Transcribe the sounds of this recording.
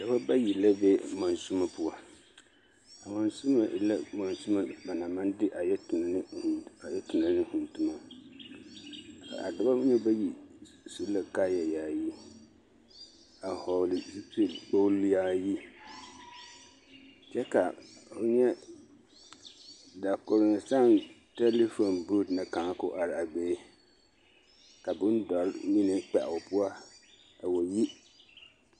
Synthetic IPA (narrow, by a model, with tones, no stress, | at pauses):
da˨ba˦ba˦ji˨la˦bɛ˦ma˨nsu˦ma˦pʊ˦a˦ | a˨ma˨nsu˦ma̰˨la˦ma˨nsu˦ma˦ba˨na˨ma˦ndɪ˦ʔa˨jɛ˦tn˨n˦ha˨jɛ˦tʊ˨na˨˦nɪ˦hʊ˨ntʊ˨ma˦ | a̰˨a̰˨da˨ba˦ɲɛ˦ba˦ji˨ | su˦la˦kaː˦ja˨jaː˨ji˦ | a˨hɔ˨lɪ˨zi˦pi˦˨lk͡po˦lja˦ji˦ | t͡ʃɛ˦ka˨o˨ɲɛ˦ | da˨kʊ˨ɾɪ˨ŋ˨sa˦˨n | tɛ˦le˦fo˨nbu˦˨dnɨ˨ka˨ŋ˦kʊ˦ʔa˨ɾɪ˨a˨beː˦ | ka˨bʊ˦n˦dɔ˨ɾɪ˦mi˦nɨ˨k͡pɛ˨ʔʊ˨pʊ˦a˦ | a˨wo˨ji˦